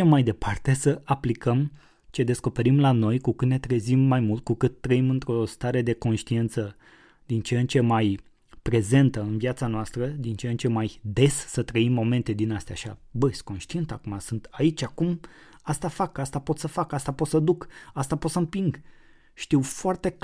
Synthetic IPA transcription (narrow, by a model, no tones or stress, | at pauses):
emajd̪e̞pʰart̪e̞səʔaplikəm | t͡ʃe̞d̪e̞sko̞pe̞ɾimlano̞jkukɨt̪ne̞t̪ɾezimːajmult̪̚kukɨt̪ːɾəimɨnt̪ɾo̞st̪aɾe̞d̪e̞ko̞nʃt̪ient̪sə | d̪int͡ʃent͡ʃe̞maj | pɾe̞ze̞nt̪əɨnviat̪sanoast̪ɾəd̪int͡ʃent͡ʃe̞majd̪e̞sːət̪ɾəimːo̞me̞nt̪e̞d̪inast̪eaʃa̰bəsko̞nʃt̪ient̪akumasɨnt̪ait͡ʃʲakum | ast̪afakast̪apo̞t̪səfakast̪apo̞t̪səd̪ukast̪apot̪səmpiŋɡ | ʃt̪iwfoart̪e̞k